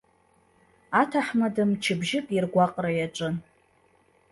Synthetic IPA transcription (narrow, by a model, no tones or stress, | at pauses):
atʰaħmadɨmt͡ʃʰɪbʒɪkʼirɡʷaqʼrajaʈ͡ʂʼɨn